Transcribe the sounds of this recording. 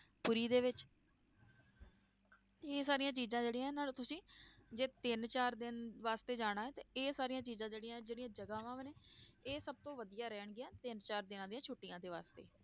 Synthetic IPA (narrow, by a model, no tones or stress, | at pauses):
pʊɾiːd̪eːʋɪt͡ʃ | eːsaːɾɪjãːt͡ʃiːzãːd͡ʒeːɽijãːɛnaːl̃ːt̪ʊsĩːd͡ʒeːt̪ɪnt͡ʃaːɾd̪ɪnʋaːst̪eːd͡ʒaːɽ̃aːɛːt̪eːeːsaːɾijãːt͡ʃiːzãːd͡ʒeːɽijãːɛd͡ʒeːɽiãːd͡ʒəɡaːʋãːʋneːeːsəb̚t̪õːʋəd̪ijaːɾɛːɳɡɪjaːt̪ɪnt͡ʃaːɾd̪ɪnãːd̪ijãːt͡ʃʰʊʈːɪjãːd̪eːʋaːst̪ḛː